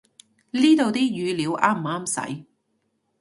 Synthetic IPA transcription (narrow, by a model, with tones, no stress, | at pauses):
liː˥t̪o˨wt̪iː˥jyː˨˧liː˨˧wʔaː˥m̩˨˩aː˥msɐ̰˨˥j